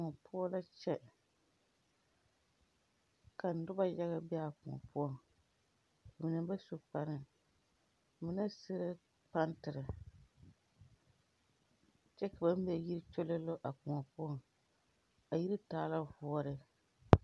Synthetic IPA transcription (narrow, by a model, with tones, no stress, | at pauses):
kŋɔ˨pʰʊ˦ɔ˦la˦t͡ʃɛ˦ | ka˨n̩˨dʊ˦ba˦ja˦ɣa˦bɪ˦a˦˨kʊ̰˨ŋɔ̰˨pʊ˦ɔ˦˨ŋ | a˨mɪ˨nɨ˦ba˦su˨k͡pa˨ɾɨ˦˨ | mɪ˦na˦sɪ˦ɾɪ˦ | pa˦ntɨ˨ɾɨ˨ | t͡ʃɛ˦ka˨ba˦m˦bɛ˦ji˦ɾɨ˦t͡ʃo˦lɛ˦lo˦ʔa˨kʊ˨ŋɔ˨pʊ˦ɔ˦ŋ | a˨ji˦ɾi˦taː˦la˦vʊ˦ɔ˦ɾɪ˦